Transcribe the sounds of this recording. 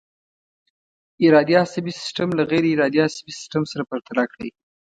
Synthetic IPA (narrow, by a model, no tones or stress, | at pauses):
ɪɾɑd̪ijɑsabisɪ̥sʈamlaɣeɾiɪɾɑd̪jɑsabisɪ̥sʈamsaɾapəɾt̪alakɽə̰j